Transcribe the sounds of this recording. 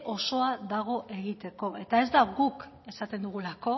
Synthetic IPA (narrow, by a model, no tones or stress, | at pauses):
ʔo̞so̞aðaɣ̞o̞ʔe̞ɣit̪e̞ko̞ʔe̞t̪ae̞zd̪aɣuk | e̞sat̪e̞nd̪uɣ̞ulako̞